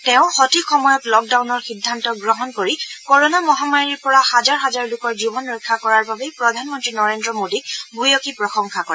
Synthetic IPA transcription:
tɛʊ̃xɔtixɔmɔjɔtlɔk̚dawnɔɹxidʱːantɔɡɹɔɦɔnkoɹikɔɹonamɔɦamaɹiɹpɔɹahazaɹɦazaɹlʊkɔɹzibɔnɹɛkʰːakɔɹaɹbabepɹɔdʱanmɔntɹinɔɹendɹɔmodibujɔkipɹɔxɔŋkʰakɔɛ

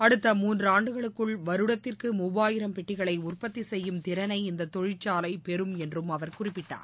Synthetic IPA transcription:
ɐɽɯt̪ːɐmuːndrɯaːɳɖɯɣɐɭɯkːɯɭʋɐɾɯɽɐt̪ːɪrkɯmʊbaːjɪɾɐmpɛʈːɪɣɐɭɐɪʊrpɐt̪ːisɛjːɯmt̪ɪɾɐnɐɪɪnd̪ɐt̪ːɔɻɪt͡ʃːaːlɐɪpɛɾɯmɛndrɯmɐʋɐɾkʊrɪpːɪʈːa̰ːɾ

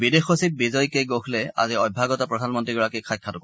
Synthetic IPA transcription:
bidexosip̚bizɔjkejɡoxʰlɛa̰ziɔj̚bʱaɡɔtapɹɔdʱanmɔntɹiɡɔɹakikʰajkʰːatɔkɔ

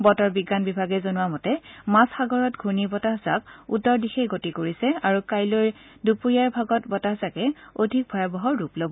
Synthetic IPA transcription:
bɔtɔɹbiɡanbibʱaɡɛzonʊwamɔtɛmasxaɡɔɹɔtɡʱunibɔtaɦza̰kutːɔɹdixɛɡotikoɹisɛaɹukajlojdupuɹiaɹbʱaɡɔtbɔtazakɛodʱik̚bʱɔjabɔɦɔɹɹuplobɔ

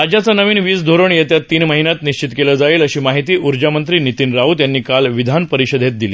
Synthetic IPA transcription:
ad͡ʑjat͡sənəʋiːnʋiːt͡sd̪ʱoɾəɳjet̪jat̪ːiːnməɦinjat̪niɕt͡ɕit̪keləd͡zailəɕiːmaɦit̪iːʔuɾd͡ʑamənt̪ɾiːnit̪iːnɾaut̪janːiːkalʋid̪ʱanpəɾiɕəd̪ʱet̪̚d̪ile

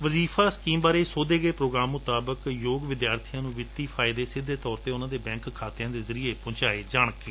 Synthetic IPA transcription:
ʋəziːfʰaːskiːmbaːɾeːsoːd̪eːɡeːpɾoːɡɾaːmːʊt̪aːbəkjoːɡʋɪd̪jaːɾt̪ʰijãːnũːʋɪt̪ːiːpʰaːɪd̪eːsɪd̪ːeːt̪ɔːɾt̪eːʊnãːd̪eːbɛ̃ːŋkʰːaːt̪ejãːd̪eːzəɾieːpʊ̃ːɲt͡ʃaːeːd͡ʒaːɳ̃əkːe

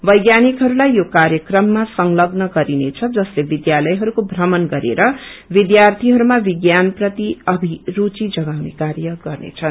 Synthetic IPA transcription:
bʌjɡjanikɦʌɾulajjokarjʌkrʌmːasʌŋlʌɡnʌɡʌɾinet͡sʰʌd͡zʌslebid̪jalʌjɦʌɾukobʱrʌmʌnɡʌɾḛɾʌbid̪jart̪ʰiɦʌɾumabiɡjanprʌt̪iʌbʱiɾut͡sid͡zʌɡawnekarjʌɡʌrnḛt͡sʰʌn

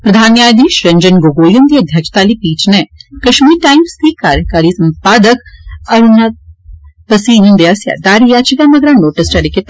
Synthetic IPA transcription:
pɾɐd̪ʱaːnjaːjd̪iːʃɾɐɲd͡ʒɐnɡoːɡoːjund̪iːɐd̪ʱjɐkʃt̪aːlipiːt͡ʃnekɐʃmiːɾʈaːjmst̪ikaːɾjəkaːɾisɐmpaːd̪əkɐɾunapɐsiːnund̪ejaːsja̰d̪aːɾijaːt͡ʃikamɐɡɾaːnoːʈɐsʈɐɽiket̪

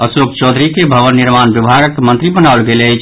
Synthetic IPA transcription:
əsokt͡ʃɔd̪ʱɾikebʱəʋənːiɾmanbibʱaɡəkːemənt̪ɾibənaolɡeləjt͡ʃʰ

